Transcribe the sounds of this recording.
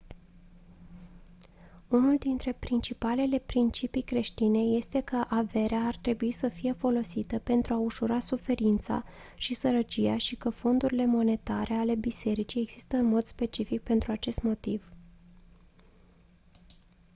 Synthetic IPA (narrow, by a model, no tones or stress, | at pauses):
unuld̪int̪ɾe̞pɾint͡ʃipale̞le̞pɾint͡ʃipijkɾe̞ʃt̪ine̞je̞st̪e̞kəʔave̞ɾeaːrt̪ɾe̞buisəfije̞fo̞lo̞sit̪əpe̞nt̪ɾuauʃuɾasufe̞ɾint̪sa̰ | ʃisəɾət͡ʃijaʃikəfo̞nd̪uɾile̞mo̞ne̞t̪aɾʔe̞ale̞bise̞ɾit͡ʃijeɡz̥ist̪əɨnmo̞d̪spe̞t͡ʃifik̚pe̞nt̪ɾuat͡ʃe̞st̪mo̞t̪iv̥